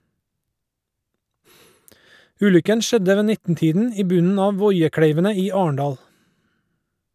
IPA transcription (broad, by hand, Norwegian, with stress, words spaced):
ˈʉːlʏkən ˈʃɛdə ˈʋeː ˈnɪtn̩ˌtiːdn̩ ˈiː ˈbʉnn̩ ˈɑː ˈʋɔʏəˌkɽeɪʋənə ˈiː ˈɑːəɳˌdɑːl